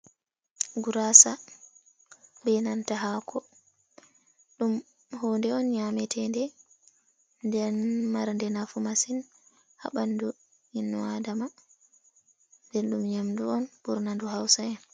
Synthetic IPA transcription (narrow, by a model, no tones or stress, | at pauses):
ɡuɾasa | bɛnantaɦakʰɔ | ɗum | hɔndɛɔnɲamɛtʰɛndɛ | ndɛnmaɾndɛnafumasin | ha̰ɓandu | inːɔadama | ndɛnɗumɲamduɔnbuɾnanduɦawsaɛn